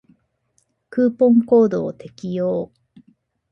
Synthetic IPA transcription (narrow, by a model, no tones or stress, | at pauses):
kɯ̟ːpõ̞ŋko̞ːd̪o̞ːt̪e̞kʲijoː